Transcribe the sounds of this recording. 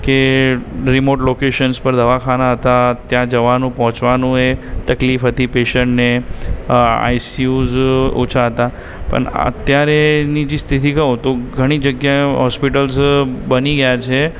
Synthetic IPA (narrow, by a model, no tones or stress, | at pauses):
ke | ɾimoʈlokeʃənspəɾd̪ʱəʋakʰanaɦət̪at̪jãd͡ʒəʋanũpəɦɔ̃t͡ʃʋanũet̪əklifɦət̪ipeʃəɳʈne | a̰jsiuzṵt͡ʃʰaɦət̪a | pə̰ɳə̰t̪jaɾenid͡ʒist̪ʰit̪ʰikəũt̪oɡʱəɽ̃id͡ʒəɡjaɦɔspiʈəlzbəniɡəjat͡ʃʰe